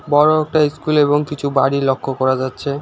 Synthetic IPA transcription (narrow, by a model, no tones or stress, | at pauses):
bɔɾok̚ʈaiskuleboŋkit͡ɕʰubaɽilokʰːokɔɾad͡ʑatːɕʰe